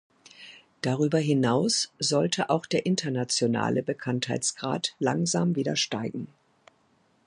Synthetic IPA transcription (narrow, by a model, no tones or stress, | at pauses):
d̥aʁ̞yːbɐɦɪnaʊsz̥ɔltʰəʔaʊxd̥eːɐʔɪntʰɐnat͡sjona̰ːlʔəbəkʰanthaɪt͡sɡ̥ʁa̰ːtlaŋzaːmviːdɐʃtaɪɡŋ̩